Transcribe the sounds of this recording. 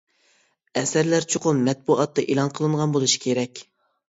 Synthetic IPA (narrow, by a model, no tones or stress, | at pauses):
ɛsæɾlæɾt͡ʃʰoqʊnmɛt̪̚buʔɑt̪ːɑʔelˠɑnqʰəlˠɨɴʁɑnbolˠuʃi̥kʲʰeɾɛkʲ